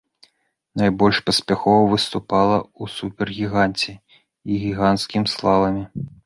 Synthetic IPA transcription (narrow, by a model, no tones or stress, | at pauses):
najbɔlʲʂpɐsʲpʲaxɔvɐvɨst̪upalˠɐusupʲɛrɣʲiɣant͡sʲɛ | iɣʲiɣant̪skʲimslˠavɐmʲi